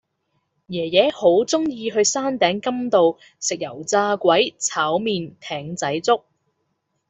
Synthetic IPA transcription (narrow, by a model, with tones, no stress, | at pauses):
jɛː˨˩jɛː˨˥ho˨˥wt͡sʊ˥ŋjiː˧ɦɵ˧ɥsaː˥nt̪ɛː˨˥ŋkɐ˥mt̪o˨w | sɪ˨k̚jɐ̰˨˩wt͡saː˧kʷɐ˨˥jt͡sʰaː˨˥wmiː˨nt̪ʰɛː˨˥ŋt͡sɐ˨˥jt͡sʊ˥k̚